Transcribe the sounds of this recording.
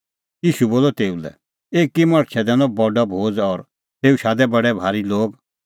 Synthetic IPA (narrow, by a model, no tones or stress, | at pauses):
jiːʃuboːlɔt̪eːulɛ̰ | eːkːimɐɽ̃t͡ʃʰɛd̪ɛ̃nɔ̃bɔɖɔbʱoːd͡zɔɾ | t̪eːuʃaːd̪ɛbɐɽɛbʱaːɾiloːɡ